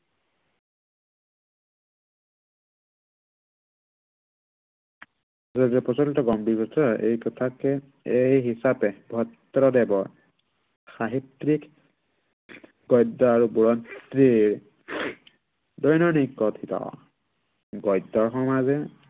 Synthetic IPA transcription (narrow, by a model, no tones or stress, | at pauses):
zɔdiɛpɔsɔltɔɡɔmbiɹbɔtʰɔʔḛjkɔt̪ʰakɛ | ejɦisapɛbɔɔt̪ːɔɾɔdɛbɔɹ | xaɦit̪ɾik | ɡɔjd̪ɔaɹubuɹɔnt̪ɾiɹ | dɔjnɔnikːɔt̪ʰit̪ɔ̰ | ɡɔjd̪ːɔɹxɔmazɛ